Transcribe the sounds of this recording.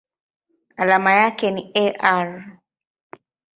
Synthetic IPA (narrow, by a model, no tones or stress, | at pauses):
alamajakɛniɛʔaɾ